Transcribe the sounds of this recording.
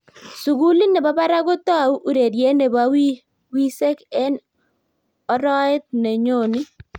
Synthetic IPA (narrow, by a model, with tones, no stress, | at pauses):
su˨ɡu˦li˦nɛ˨ba˦ba˦ɾa˦ɡo˦t̪ɔ˦a˨u˦ʔu˦˨ɾe˨ɾje˦ne˨ba˦wi˦ | wi˦se˦kɛ˦n | ɔ˦ɾɔ˦ɪ˦t̪̚ne˨ɲo˦˨nɪ˦